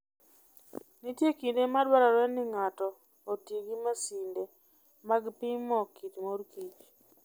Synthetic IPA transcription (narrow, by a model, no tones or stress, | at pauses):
nitjekindemadwaɾaɾwɛnɪŋatɔː | tjeɡimasinde | maɡpɪmɔkitmoɾkit͡ʃ